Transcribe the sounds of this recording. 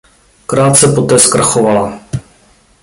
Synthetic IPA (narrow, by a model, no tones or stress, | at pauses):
kɾaːt̪sɛpot̪ɛːskɾaxovala